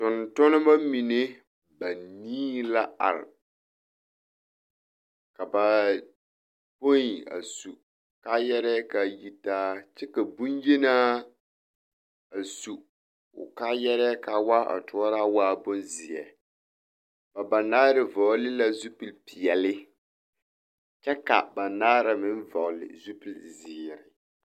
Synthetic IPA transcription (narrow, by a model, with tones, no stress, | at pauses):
tʊ˨ntʊ˦nɪ˦ma˦mi˨ne˦ | ba˨niː˦la˦a̰˨l | ka˨ba˨ | po˦i˨a̰˨su˨ | ka˦jɛ˦ɾɛ˦ka˨ji˦taː˦t͡ʃɛ˦ka˨bu˦nje˦naː˦ | a˨su˨ | ʊ̰˨ka˦jɛ˦ɾɛ˦ka˨wa˦ʔa̰˨tʊ˨ɔ˦ɾa˦waː˦bʊ˦nzɪ˨ɛ˨ | b̥a˨ba˨naː˦ɾɪ˨vɔ˨˦lɪ˦la˦zu˦pi˨lpɪ˨ɛ˨lɪ˦ | t͡ʃɛ˦ka̰˨ba˨naː˦ɾa˨mɪ˦n˦vɔ˨lɪ̰˨zu˦pi˨lzɪː˨ɾɪ˨